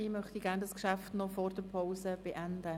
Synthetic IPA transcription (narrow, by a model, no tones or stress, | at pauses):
ɪmœχt̪iɡæːndɑskʃæftnɔfɔːɾdəɾpʰoʊsəb̥eʔænd̪ə